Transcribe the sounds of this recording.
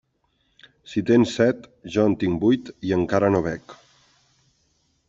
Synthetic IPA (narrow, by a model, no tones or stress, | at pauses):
sit̪ensːɛt̪ʒɔənt̪iŋbujt̪iəŋkaɾənoβ̞ɛk